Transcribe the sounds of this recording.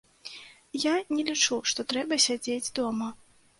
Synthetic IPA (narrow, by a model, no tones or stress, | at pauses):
janʲɛlʲit͡ʂuʂt̪ɔt̪ɾɛbɐsʲad͡zʲed͡zʲd̪ɔmɐ